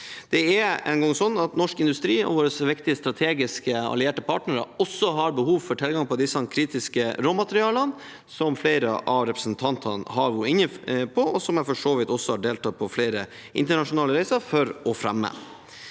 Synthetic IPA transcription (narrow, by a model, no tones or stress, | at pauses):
d̪̥ɛɛɛ̰nɡɔŋsɔnːɑt̪nɔʂkɪnd̪ʉst̪ɾiːɔ̰ʋoːɾəsʋɪkt̪ɪəst̪ɾɑt̪ʰeːɡɪskəɑ̰lɪeːʈəpʰɑːʈnəɾəɔsːɔɦɑɾbəhuːʋfɔʈʰɪlɡɑŋpʰɔd̪ɪsɑnkʰɾiːt̪ɪskəɾoːmɑt̪əɾɪɑːlən | sɔmflæɪɾə̰ʔɑʋɾɛpɾəsnt̪ʰɑnt̪ʰɑnhɑʋʊɪnːəpʰɔɔsɔmæfɔʂoːʋɪt̪ɔsːɔhɑɖeːlt̪ʰɑːpʰɔfleɪɾə | ʔɪ̰nt̪əɳɑʂʊnɑːləɾæɪsəfɔɾɔfɾɛ̰mːə̰